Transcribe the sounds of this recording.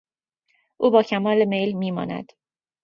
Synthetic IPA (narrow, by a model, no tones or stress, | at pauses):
ʔuːbɒːcʰæmɒːleme̞jlmiːmɒ̰ːnæ̰d̪̥